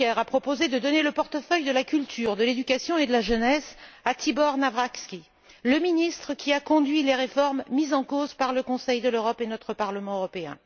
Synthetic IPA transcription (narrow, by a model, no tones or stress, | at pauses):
ɛʁapχɔpozed̪əd̪ɔneləpɔʁt̪əfœjd̪əlakʲylt̪ʰyʁd̪əled̪ykʲasjɔ̃ed̪əlaʒənɛsat̪ibɔʁnavʁakskʲi | ləminist̪χəkʲiakɔ̃d̪ɥileʁefɔʁmːizɑ̃kozpaʁləkɔ̃sɛjd̪əløʁɔpenɔt̪χəpaʁləmɑ̃øʁɔpeɛ̰̃